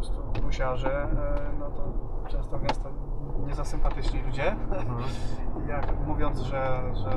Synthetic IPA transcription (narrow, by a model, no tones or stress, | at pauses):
st̪ɔɡbɔɕaʐɛnɔt̪ɔpt͡ʂɛ̃nst̪ɔmʲjast̪ɔɲɛzasɘmpat̪ɘt͡ʂɲilud͡ʑɛ | ijakmuvʲjɔnd̪zʐɛʐɛ